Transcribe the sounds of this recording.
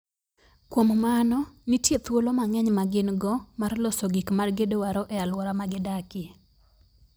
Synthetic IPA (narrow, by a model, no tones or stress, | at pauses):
kwommanɔnitjet̪wolomaŋɛɲmaɡɪnɡɔmarlɔsoɡikmarɡedowaɾɔʔɛalwɔɾamaɡɪdakɪ